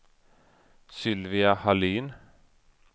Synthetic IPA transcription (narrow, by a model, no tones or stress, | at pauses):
sʏlʋɪɑhɑliːn